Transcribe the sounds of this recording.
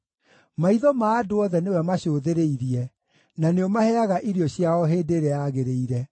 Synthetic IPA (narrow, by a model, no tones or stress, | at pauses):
maiðɔmaːdoɔðɛnewɛmaɕoːðeɾeiɾiɛ | naneɔmahɛaɣaʔiɾjɔɕjaɔɦeːdeːɾejaɣeɾeiɾɛ